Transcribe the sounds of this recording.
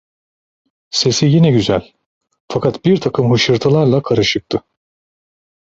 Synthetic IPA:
se̞sijinɛɟyzælʲ | fakʰat̪biɾt̪ʰakʰɯmɦɯʃɯɾt̪ʰalˠaɾlˠakʰaɾɯʃɯk̚t̪ʰɯ

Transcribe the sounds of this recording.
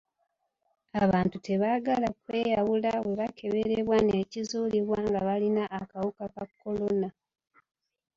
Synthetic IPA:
aβaːntute̞βaːɡalakwe̞ːjawulawe̞βakʰe̞βe̞ɾeβwanecizuːliβwaːŋɡaβalinaʔːkawukakakːo̞lo̞na

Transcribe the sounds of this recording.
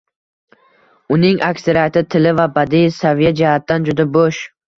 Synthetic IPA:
ʊnɪŋʔakseɾat̪ɪt̪ʰɪlɪvabad̪isavijad͡ʒahat̪ːand͡ʒʊd̪aboʃ

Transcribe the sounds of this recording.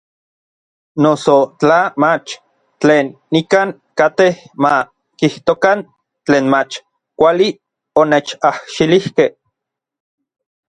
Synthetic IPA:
nosot͡ɬamat͡ʃ | t͡ɬeːnːikaːŋ | kat̪eh | ma | kiht̪okan | t͡ɬeːnmat͡ʃ | kʷali | onet͡ʃahʃilihkeh

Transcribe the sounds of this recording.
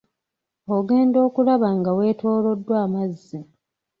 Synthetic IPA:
oɡe̞ːndo̞ːkulaβaŋɡawe̞ːtʰo̞ːlo̞dːwaːmazːi

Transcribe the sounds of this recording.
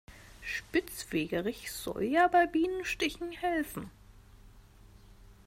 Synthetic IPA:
ʃpɪt͡sfeːɡəʁɪçz̥ɔ̰ljaːbaɪbiːnənʃtɪçn̩hɛlfn̩

